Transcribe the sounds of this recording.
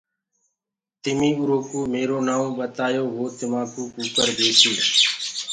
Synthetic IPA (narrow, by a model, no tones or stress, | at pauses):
t̪ɪmĩːʊɾoːkuːmeːɾoːnaːõːɓət̪aːjoːɦoːt̪ɪmãːkuːkuːkəɾb̪eːsiː